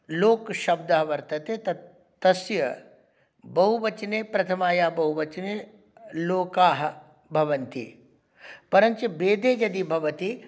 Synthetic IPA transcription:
loːkʃɐb̚d̪ɐɦɐʋɐɾt̪ɐt̪eːt̪ɐ | t̪ɐsjɐ̰ | bɐɦuʋɐt͡ʃneːpɾɐt̪ʰɐmaːjaːbɐɦuʋɐt͡ʃneː | loːkaːɦɐ̆ | bʱɐʋɐnt̪ḭ | pɐɾɐnt͡ʃebeːd̪eːd͡ʒɐd̪ibʱɐʋɐt̪i

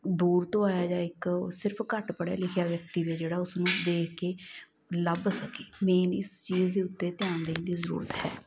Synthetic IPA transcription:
d̪uːɾt̪õːaːjaːd͡ʒãːɪksɪɾəpʰkəʈpəɽḛːlɪkʰjaːʋjək̚t̪iːʋed͡ʒeːɽaːʊsnũːd̪eːkʰkeː | ləbsəkeːmeːnɪst͡ʃiːzd̪eːʊt̪ːeːt̪ɪjãːnd̪ẽnd̪iːzəɾṵːɾət̪ɦɛ̰ː

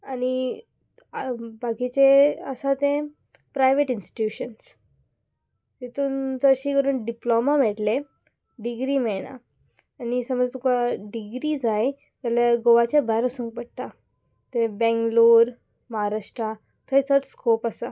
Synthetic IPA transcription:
ani | baɡit͡ɕeəsat̪ẽ | pɾajʋeʈinsʈi̥ʈjuɕəns | t̪it̪uːnd͡zəɾɕiːkəɾuːnɖiplomamɛt̪le | ɖiɡɾimeɭɽ̃a̰ː | nisəməd͡zt̪ukaɖiɡɾid͡zaj | t̪jaljaɡoʋat͡ɕabajɾəsũːŋk̚bəɽt̪a | t̪ebɛ̃ŋɡluːɾ | məɦaɾaʂʈɾa | t̪ʰəjt͡səʈskopasa

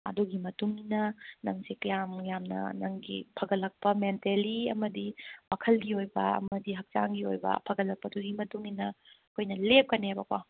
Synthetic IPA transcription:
ɐ̰duɡimɐtuŋinɐnɐŋsekɐjamjamnɐ̰nɐŋɡḭpʰɐɡɐlːɐk̚pɐmenteliɐmɐdiwakʰɐlɡiojbɐɐ̰mɐdiɦɐk̚t͡ʃa̰ŋɡio̰jbɐ̰pʰɐɡɐlːɐk̚pɐduɡimɐtuŋinɐɐkʰojnɐlep̚kɐnebɐkwa

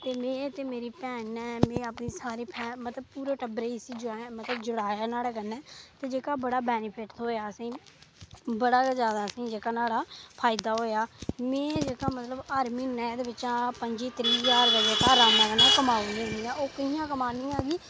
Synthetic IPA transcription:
t̪eːmẽːt̪eːmeːɾiːpɛːnɛːmẽːəpniːsaːɾiːpʰɛːmət̪ləb̚puːɾaːʈəbɾeːisĩːd͡ʒɽaːɛːmət̪ləbd͡ʒʊɽaːjaːnaːɽaːkənːɛːt̪eːd͡ʒeːkaːbəɽaːbɛːnɪpʰɪʈt̪ɦoːjaːəsĩː | bəɽaːzjaːd̪aːəsĩːd͡ʒeːkaːnaːɽaːpʰaːɪd̪aːɦoːjaːmẽːd͡ʒeːkãːmət̪ləbaːɾmiːnɛːd̪eːʋɪt͡ʃãːpəɲd͡ʒiːt̪ɾiːzaːɾd̪əːd͡ʒeːkaːɾaːmãːkənːɛ̃ːkəmaːẽniãːoːkəɦĩjãːkəmaːnĩːaːɡiː

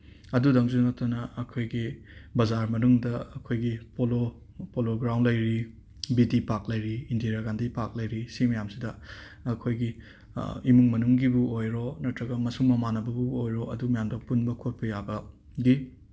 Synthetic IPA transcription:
ɐdudɐŋzunɐk̚tɐnɐɐkʰojɡibɐzaɾmɐnuŋdɐɐkʰojɡipolo | poloɡɾawndlɐjɾi | bidipak̚lɐjɾiːndiɾaɡandipak̚lɐjɾisimɐjamsidɐ | ɐkʰojɡi | imuŋmɐnuŋɡibuojɾonɐtɾɐɡɐmɐsuŋmɐmanɐbɐbuojɾoɐdumɐjamdɐpunbɐkʰot̚pɐjabɐ | ɡi

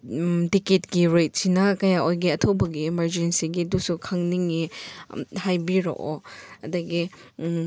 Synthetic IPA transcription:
tiketɡiɾejt̚sinɐkɐjaojɡiɐtʰobɐɡiːmɐɾd͡ʒensiɡidusukʰɐŋniŋi | hajbiɾo̰ʔoɐdɐɡi

